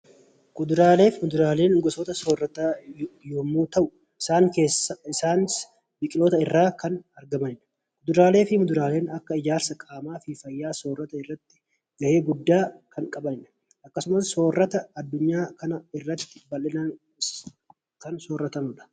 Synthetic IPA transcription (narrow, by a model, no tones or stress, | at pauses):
kʊd̪ʊɾaːle̞ːfmʊd̪ʊɾaːle̞ːnɡɔsoːt̪ɐso̞ːrːɐt̪aːjoːmːuːt̪ɐʔʊ | ɪsaːŋke̞ːsːɐɪsaːnɪs | bɪkʼɪloːt̪ɐɪrːaːkɐnɐɾɡɐmɐnɪnɐ̥ | kʊd̪ʊɾaːle̞ːfɪmʊd̪ʊɾaːle̞ːnɐkːɐɪd͡ʒaːɾsɐkʼaːmaːfɪfɐjːaːso̞ːrːɐt̪ɐɪrːɐt̪ːɪ̥ | ɡ̥ɐʔe̞ːɡʊd̪ːaːkɐŋkʼɐbɐnɪᶑɐ̥ | ɐkːɐsʊmɐsːo̞ːrːɐt̪ɐɐd̪ːʊɲːaːkɐnɐɪrːɐt̪ːɪ̥bɐlɪnɐn | kɐnsoːrːɐt̪ɐnʊᶑɐ̥